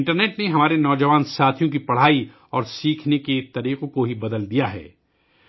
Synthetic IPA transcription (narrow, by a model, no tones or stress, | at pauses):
ɳʈəɾneːʈneɦɐmaːɾenɔːd͡ʒɐʋaːnsaːt̪ʰjõkipɐɽ̤aːi | ɔːɾsiːkʰneket̪ɐɾiːqõkoɦibɐd̪əld̪ijaɦɛ̰ː